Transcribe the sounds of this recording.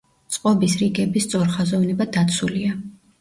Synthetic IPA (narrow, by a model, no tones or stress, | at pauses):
t̪sʼqʼɔbisɾiɡɛbist̪sʼɔɾχazɔvnɛbad̪at̪sʰulia